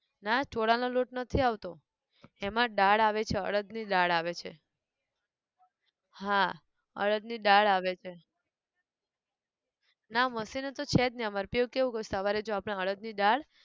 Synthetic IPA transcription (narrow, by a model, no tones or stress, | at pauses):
nat͡ʃoɽanoloʈnət̪ʰiaʋt̪o | emãɖaɽaʋet͡ʃʰeə̰ɭəd̪niɖaɽaʋet͡ʃʰḛ | ɦa | ə̰ɭəd̪niɖaɭaʋet͡ʃʰe | naməsinet̪ot͡ʃʰet̪̚niəmaɾpiukeʋũkəusəʋaɾed͡ʒoapɽ̃ãəɭəd̪niɖaɽ